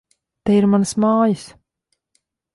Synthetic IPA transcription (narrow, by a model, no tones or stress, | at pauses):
t̪eiɾmansmaːjis